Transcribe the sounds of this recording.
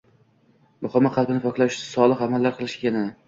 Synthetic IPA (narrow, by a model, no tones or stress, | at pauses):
mʊχamːaqʰɑlˠbɪnɪpʰɒkʰʲlˠaʃsɒlˠɨqamalːaɾqʰɨlˠɪʃekʲaneɪɪ